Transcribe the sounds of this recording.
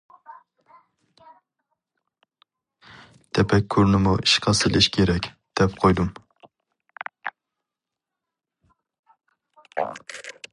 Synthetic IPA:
t̪ʰɛpɛkʲʰːyɾnɪmuʔiʃqʰɑsɪlʔɪʃkʲʰeɾɛkʲ | d̪̥ɛpqʰojd̪um

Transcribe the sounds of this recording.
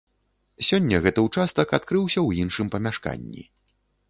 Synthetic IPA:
sʲɔnʲːɐɣɛt̪ɐwt͡ʂast̪ɐkat̪kɾɨwsʲɐwjinʂɨmpɐmʲaʂka̰nʲːḭ

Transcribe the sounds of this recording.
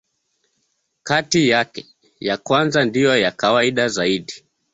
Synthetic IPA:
katijakɛ | jakwanzandijɔjakawaiɗazaiɗi

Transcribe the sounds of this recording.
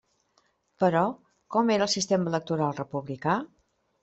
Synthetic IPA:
pəɾɔ | kɔmeɾəlˠsist̪emələk̚t̪uɾalˠrəpuβlika

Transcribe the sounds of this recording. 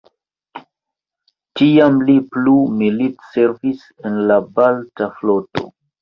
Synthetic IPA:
tiamliplumilitseɾvis | enlabaltaflo̞to̞̰

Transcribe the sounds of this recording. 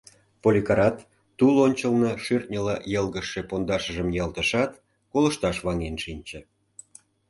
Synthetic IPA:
polʲikɑɾɑt̪ː | ulonʲt͡ɕəlnɤʃyrt̪̚ʲnʲəlɑjəlˠɣəʃːepond̪ɑʃəʒə̆mjɑlt̪əʃɑt̪ | koləʃt̪ɑʃβɑŋenʃinʲt͡ɕə̆

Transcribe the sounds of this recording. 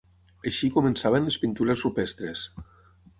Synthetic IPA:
əʃikomensaβənlespint̪uɾesupɛst̪ɾes

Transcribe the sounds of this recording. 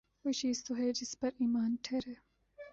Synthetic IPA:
ɪʃiːst̪oɦɛːd͡ʒɪspɐɾiːmaːnʈʰeːɾɦɛː

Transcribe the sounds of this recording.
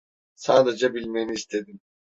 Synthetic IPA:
saːd̪ed͡ʒabilʲmejiniːst̪ʰe̞d̪im

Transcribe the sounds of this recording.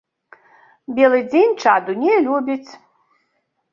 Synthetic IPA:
bʲɛlˠɨd͡zʲenʲt͡ʂad̪unʲɛlʲubʲit͡sʲ

